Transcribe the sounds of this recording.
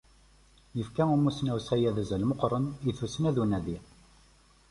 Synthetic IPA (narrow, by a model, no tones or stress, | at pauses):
jəfkæumusnæwsæjæðæzælmoqɾˤəniθusnæðunæði